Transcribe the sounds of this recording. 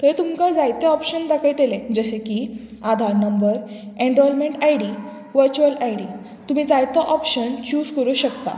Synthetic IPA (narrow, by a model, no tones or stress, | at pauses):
t̪əɾt̪umkad͡zajt̪eɔpɕənd̪akʰajt̪elẽd͡zəɕekiː | ad̪ʱaɾnəmbəɾ | ẽɳɖɾɔlmẽɳʈajɽi | ʋəɾt͡ɕuəlʔajɽi | t̪um̤iːd͡zajt̪ɔʔɔpɕənt͡ɕuːd͡zkəɾuːɕəkt̪a̰